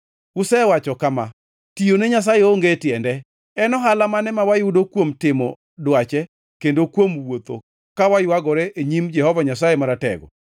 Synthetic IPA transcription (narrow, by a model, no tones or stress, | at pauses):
wʊsɛwat͡ʃɔkama | tioneɲas̬ajeoŋɡetɪjɛndɛ | ɛnɔɦalamanɛmawajʊdokwomtɪmɔ̰ | dwat͡ʃɛ | kendokwomwot̪o̰ | kawajwaɡɔɾɛeɲimd͡ʒɛhɔvaɲasajemaɾatɛ̰ɡɔ̰